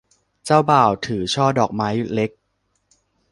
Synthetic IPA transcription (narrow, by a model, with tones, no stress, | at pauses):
t͡ɕaː˥˩wbaː˨˩wt̪ʰɯː˩˦t͡ɕʰɔː˥˩dɔː˨˩k̚ma˦˥jle˦˥k̚